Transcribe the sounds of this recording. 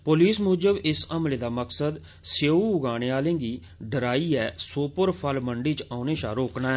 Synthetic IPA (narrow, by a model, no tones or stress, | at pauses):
poːliːsmʊːd͡ʒəbɪsəmleːd̪aːməksəd̪ | seuːʊɡaːɽeːaːlẽːɡiː | ɖəɾaːiːɛːsoːpəɾpʰəlməɳɖiːt͡ʃaːneːʃaːɾoːknaːɦɛː